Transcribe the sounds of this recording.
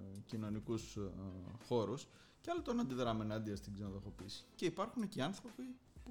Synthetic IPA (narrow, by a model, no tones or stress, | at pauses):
cino̞nikus | xo̞ɾus | ceɐlot̪onɐnd̪iðɾɐmenɐd̪iɐst̪iɡzinoðoxo̞pisi̥ceipɐɾxuneciɐnθɾo̞pi | pu